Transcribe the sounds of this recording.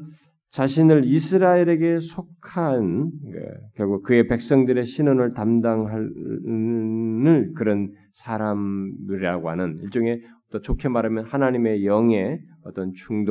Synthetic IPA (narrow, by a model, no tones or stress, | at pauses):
t͡ɕaɕʰinɯɭisʰɯɾaiɾe̞ɡe̞sʰokʰanḛkjʌɭɡukɯe̞pe̞k̚s͈ʌŋdɯɾe̞ɕʰinɯnɯɭtamdaŋɦa | nɯɭkɯɾʌn | sʰaɾamuɾiaɡoɦanɯniɭt͡ɕ͈oŋe̞ʌt͈ʌt͡ɕokʰemaɾamjʌnhanaɲime̞jʌŋe̞ | ʌt͈ʌnt͡ɕuŋdo